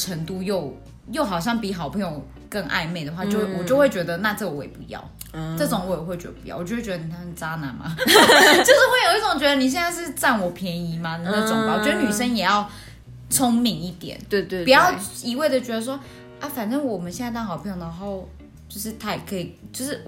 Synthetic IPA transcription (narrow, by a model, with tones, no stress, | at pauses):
ʈ͡ʂʰə˧˥ŋt̪u˥˧jo˥˧ʊ | jo˥˩ʊxɑ˨˩ʊɕ̬jɑ˥˩ŋpi˨˥xɑ˨˩ʊpʰə˧˥ŋjo˨˩ʊ | kə˥˧ŋʔa̰˥˧ɪme˥˩ɪd̪ə˩xwa˥˧t͡ɕo˥˧ʊ˥˩wɔ˨˩t͡ɕjo˥˧ʊwe˥˩t͡ɕɥɛ˧˥d̪ə˧na˥˧t͡sɤə˥˩wɔ˨˦jɛ̰˨˩pu˧˦jɑ̰˥˩ʊ | ʈ͡ʂɤ˥˩ʈ͡ʂʊ˨˦ŋwɔ˧˥˩jɛ˨˩xwe˥˩t͡ɕɥɛ˧˦˥d̪ə˧p̚u˧jɑ̰˥˩˨t͡ɕwt͡ɕɥ̪ə˧ni˨˩t̪ʰa˥ʂ̩˥˩t͡sa˦˥na̰˨˥nma̰˦t͡ɕo˥˧ʊʂ̩˥˧we˥ɪjo˨˩ʊi˥˩ʊ˨˩ŋt͡ɕɥɛ˧˥d̪ə˧ni˨˩ɕ̬jɛ˥˧nt͡sa˥˧ɪʂɻ̩˥˧t͡sa˥˩nwɔ˨˩pʰjɛ˧˦˥ni˧˥ma˧n˧ə˥˩˥ʈ͡ʂʊ˨ŋma˨˩wɔ˨˩t͡ɕɥɛ˧˥˧ny˨˩ʂə˥njɛ˨˩jɑ˥˩ʊ | t͡sʰo˥ŋmi˧˥ŋi˥˩t̪jɛ̰˨˩˦n˧˥˧pi˩jɑ˥˩ʊi˧˥we˥˩də˩t͡ɕɥɛ˧˥d̪ə˧˩ʂ̬wɔ˥ | a˥˩fa˨˩nʈ͡ʂə˥˩ŋwɔ˨˩mə˦nɕjɛ˥˧nt͡sa˥˧t̪ɑ˥˩ŋxɑ˨ʊpʰə˧˥ŋjd̪ə˧˩˧o˥o˥ʊ˧ | t͡ɕjo˥˧ʊʂɻ̩˥˧t̪ʰa˥˩i˨˩kʰɤ˧˥i˨˩t͡ɕjo˥˧ʊʂɻ̩˥˩